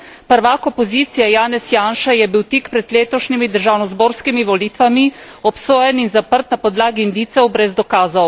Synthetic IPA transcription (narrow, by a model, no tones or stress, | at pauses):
pəɾʋaːkɔpɔziːt̪sijajaːnɛsjaːnʃajɛbiwt̪ikpɾɛd̪leːt̪ɔʃnimid̪əɾʒawnɔzboːɾskimiʋɔliːt̪ʋamiɔpsoːjɛninzapəɾt̪napɔd̪laːɡind̪iːt̪sɛwbɾɛzd̪ɔkaːzɔw